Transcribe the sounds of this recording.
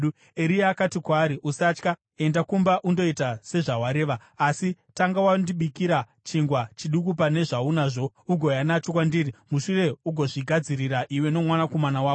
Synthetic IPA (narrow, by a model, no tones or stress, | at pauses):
eɾiaːkatikwaːɾiʔusat͡ʃka | e̞ndakumbaʔundo̞itase̞ʐawaɾe̞ːʋaːsitaŋɡawandiɓikiɾa | t͡ʃiŋɡwat͡ʃiɗukupane̞ʐaunaːʐo̞ | uɡʱo̞janat͡ʃokwandiːrimuʂure̞uɡʱo̞ʐiɡʱad͡ziriɾaʔiwe̞no̞mwanako̞manawaːo